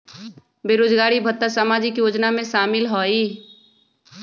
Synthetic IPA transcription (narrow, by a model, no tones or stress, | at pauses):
beːɾoːd͡ʒɡaːɾibʱət̪ːasaːmaːd͡ʒɪkjoːd͡ʒnamẽʃaːmɪlɦoːi